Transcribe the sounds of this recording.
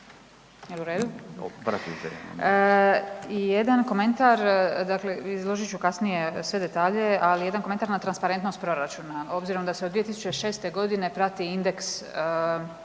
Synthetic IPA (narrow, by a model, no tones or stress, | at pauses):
jeluɾe̞ːd̪ṵpɾat̪ḭzḛ | ijed̪anko̞me̞nt̪aɾd̪akle̞izlˠo̞ʒit͡ʃukasnije̞sʋe̞d̪e̞t̪aːʎe̞alije̞d̪ankomenaɾnat̪ɾanspaɾe̞nt̪nost̪pɾo̞ɾat͡ʃunao̞bziɾo̞md̪ased̪ʋie̞t̪isut͡ʃe̞ʃe̞ːst̪e̞ɡo̞d̪ine̞pɾat̪iind̪e̞ks